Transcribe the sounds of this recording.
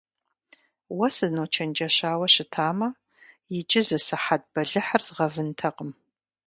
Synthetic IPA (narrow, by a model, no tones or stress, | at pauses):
wɐsɨnoːt͡ʃʰɐnd͡ʒɐɕaːwɐɕɪtʰaːmɐ | jɪd͡ʒʼɪzɨsɨħad̚bɐɮɨħarzʁɐvɨntʰɐqəm